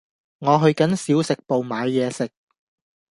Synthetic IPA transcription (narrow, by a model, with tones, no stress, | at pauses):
ŋɔː˨˧ɦɵ˧ɥkɐ˨˥nsiː˨˥wsɪ˨k̚po˨wmaː˨˧jːɛː˨˧sɪ˨k̚